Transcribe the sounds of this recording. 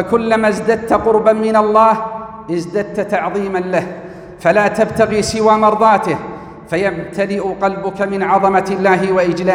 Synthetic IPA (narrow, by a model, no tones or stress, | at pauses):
fakʊlːamazd̪ad̪̚t̪aqʊɾbanmɪnalˤːɑːh | ʔɪzd̪ad̪̚t̪at̪aʕðˤiːmanlah | falaːt̪abt̪aɣiːsɪwaːmɑɾˤðˤɑːt̪ɪh | fajamt̪ʰalɪʔʊqɑlbʊkamɪnʕɑðˤɑmat̪ɪlːaːɦɪwaʔɪd͡ʒlaː